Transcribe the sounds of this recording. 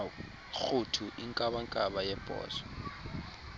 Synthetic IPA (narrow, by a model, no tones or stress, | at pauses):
xutʰuʔiŋkʼaɓaŋkʼaɓajɛb̥ʼʱɔ̰ːsɔ̥